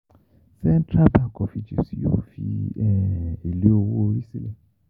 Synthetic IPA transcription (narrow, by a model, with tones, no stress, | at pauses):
sɛ˦n˦tɾa˦ba˦kɔ˨fi˧d͡ʒḭ˨si˨˦jo̰˦fḭ˧ɛ˨e˨le˨˦o˧wo˦o˨ɾi˦si˦le˨